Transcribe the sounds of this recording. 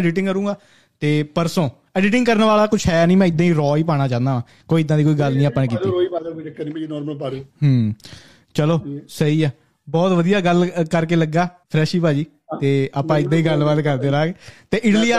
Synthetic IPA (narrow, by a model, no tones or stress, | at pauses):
ɖɪʈɪ̃ŋɡkəɾũːɡaː | t̪eːpəɾsõː | ɛːɖɪʈ̬ɪ̃ŋɡkəɾnʋaːlaːkʊt͡ʃʰɦɛːnĩːmɛ̃ːɪd̪ãːiːɾɔːiːpaːɽ̃aːt͡ʃãːnd̪aːʋãː | koːiːɪd̪ːãːd̪ikoːiːɡəlnĩːaːpəːnek̬iːiːɾːiːpaːd̪ʈɪkːənĩːpːinɔːɾməlpaːɾeɦəː | t͡ʃəloːsəiːɛː | bɔːt̪ʋəd̪ijaːɡəlkəɾkeːləɡaːpʰɾɛːʃiːpaːd͡ʒiː | t̪eːaːpãːɪd̪ãːiːɡəlbaːd̪kəɾd̪eːɾaːɡt̪eːʔɪʈliːa